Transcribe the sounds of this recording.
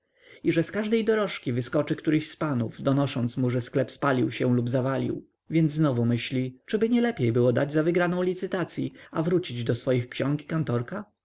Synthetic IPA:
iʐɛskaʐd̪ɛjd̪ɔɾɔʂkʲivɘskɔt͡ʂɘkt̪uɾɘɕspanuvd̪ɔnɔʂɔnt̪smuʐɛsklɛpspalʲiwɕɛlubzavalʲḭw | vʲjɛnd̪znɔvumɘɕlʲit͡ʂɘbɘɲɛlɛpʲjejbɘwɔd̪ad͡ʑzavɘɡɾanɔ̃w̃lʲit̪sɘt̪at̪sʲjiavɾut͡ɕid͡ʑd̪ɔsfɔjixkɕɔ̃ŋkʲi̥kant̪ɔɾka

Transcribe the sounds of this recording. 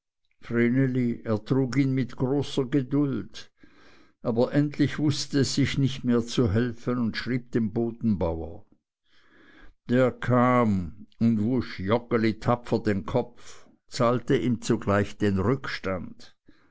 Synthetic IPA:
fʁeneliʔeːɐtʁ̥uːkiːnmɪtɡ̥ʁoːsɐɡədʊld | ʔaːbɐʔɛntʰlɪçv̥ʊstəɛsz̥ɪçnɪçtmeːɐt͡suɦɛlfənʊntʃʁ̥iːb̚d̥eːnboːdn̩baʊɐ̰ | d̥eːɐkʰaːmʊndvʊʃjɔkəlitʰapfɐdeːnkʰɔpf | t͡saːltəʔiːmt͡suɡlaɪçd̥eːnʁʏkʃtand̥

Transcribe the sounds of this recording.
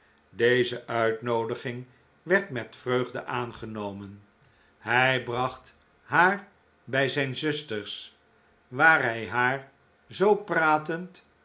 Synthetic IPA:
dejzəʔœɥtnowdəχɪŋ | ʋɛɹtmɛtfrøɥχdə̰ʔaːnχənowmən | hɛjbrɑχt | ɦaːɹ | bɛjzɛjnzɵstəɹs | ʋaːɹɦɛjɦaːɹ | zowpraːtənt

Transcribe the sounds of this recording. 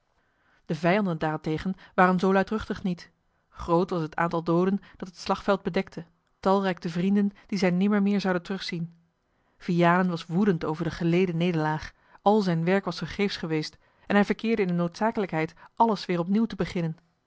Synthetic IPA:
d̥əvɛjɑndəndaːɹɛntejχənʋaːrənzowlœɥtrɵχtəχnit | χrowtʋɑsɦəta̰ːntɑlˠdowdənd̥ɑtɦətslɑχtfɛlˠd̚bədɛk̚tʰə | tɑlˠrɛjk̚təvrindənd̥izɛjnɪməɹmɪːɹzɑwdəntərɵχsin | v̥iaːlənʋɑsʋudəntowvəɹdəχəlejdənejdəlaːχ | ɑlˠzɛjnʋɛɹkʋɑsfəɹχejfsχəʋejst | ɛnɦɛjvəɹkɪːɹdəɪndənowtsaːkələkɦɛjtʔɑləsʋɪːɹrɔpniwtəbəχɪnən

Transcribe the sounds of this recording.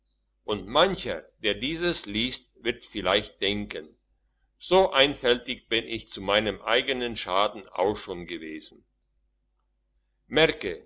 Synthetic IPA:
ʔʊntmançɐd̥eːɐdiːzəsliːstv̥ɪɐtfɪlaɪçt̚d̥ɛŋkən | z̥oːʔaɪnfɛltɪçb̥ɪnɪçt͡sumaɪnəmʔaɪɡənənʃaːdn̩ʔa̰ʊxʃoːnɡəveːzn̩ | mɛɐkə

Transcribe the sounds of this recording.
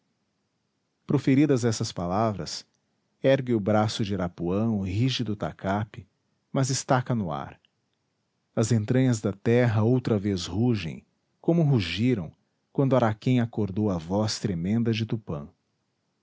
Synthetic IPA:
pɾofeɾid̪ɐzɛsɐspalavɾɐ̰s | ɛɾɡɪʊbɾasʊd͡ʒɪɾapuɐ̃w̃ʊɦiʒɪd̪ʊt̪a̰kʰapɪ | mɐzɪst̪akɐnʊa̰ɾ | ɐzẽnt̪ɾɐ̃ɲɐzd̪ɐt̪ɛɦɐowt̪ɾɐvezhuʒḛ̃j̃ | kõmʊɦuʒiɾɐ̃w̃ | kwɐ̃nd̪ʊaɾakẽj̃akoɾd̪owɐvɔst̪ɾemẽnd̪ɐd͡ʒɪt̪upɐ̰̃

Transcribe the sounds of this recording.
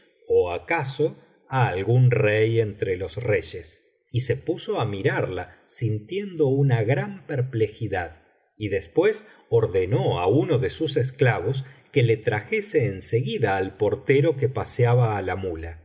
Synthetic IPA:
oakaso | aːlɣunreje̞nt̪ɾelo̞sreʒe̞s | ise̞puso̞amiɾaɾlasint̪je̞nd̪o̞unaɣɾampeɾple̞xiðað | iðespwe̞s | oɾðeno̞a̰uno̞ðesus̬es̬klaβo̞s̬kelet̪ɾaxe̞seːnseɣiðaːlpo̞ɾt̪eɾo̞kepasjaβaːlamula

